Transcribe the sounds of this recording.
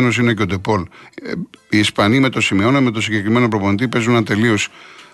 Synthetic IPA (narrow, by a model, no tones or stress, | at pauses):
no̞s̬inecod̪e̞po̞l | iispɐnime̞t̪o̞simeo̞neme̞t̪o̞siɲɟe̞kɾime̞nopɾo̞po̞nit̪̬ipe̞zunɐnt̪e̞lio̞s